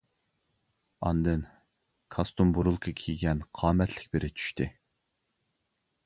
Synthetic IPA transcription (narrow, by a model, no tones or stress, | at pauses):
ɑ̰nd̪ɨn | kʰɑst̪umbuɾulˠkʰɑkʲʰijɡʲɛnqʰɑːmɛt̪ʰlɪkʲbɪɾʔɪt͡ʃʰy̥ʃt̪ɪ